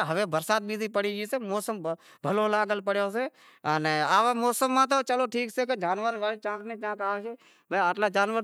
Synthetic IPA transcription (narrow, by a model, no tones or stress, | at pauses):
ɦəʋeːbəɾsaːt̪̚biːd̪ʱipəɽiːd͡ʒiseːmɔːsəm | bʱəloːlaːɡəlpəɽjoːseː | əneaːʋaːmɔːsəmːãːt̪̬oːt͡ʃəloːʈʰiːkseked͡ʒaːnʋəɾʋaːlet͡ʃãːkʰnet͡ʃãːkaːkeː | bəəʈlaːd͡ʒaːnʋəɾ